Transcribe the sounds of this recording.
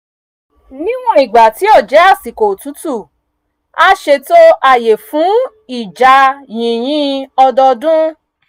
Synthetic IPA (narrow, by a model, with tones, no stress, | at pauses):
nĩ˦w̃ɔ̃˦i˨ɡ͡ba˨ti˨˦ɔ˦˨d͡ʒɛ˨˦a˦˨si˨ko˨tu˨˦tu˦˨ | a˦ʃe˧to˦a˦˨je˨fũ˨˦ | i˦˨d͡ʒa˧jĩ˨j̃ĩ˦ɔ˧dɔ˧dũ˦